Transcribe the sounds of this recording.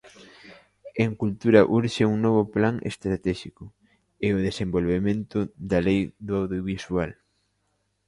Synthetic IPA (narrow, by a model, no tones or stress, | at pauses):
eŋkult̪uɾɐʔuɾʃɪuŋnɔβʊplaŋʔḛst̪ɾat̪ɛʃikʊ | eʊðesẽmbolβemẽnt̪ʊðalejðoawðjoβiswal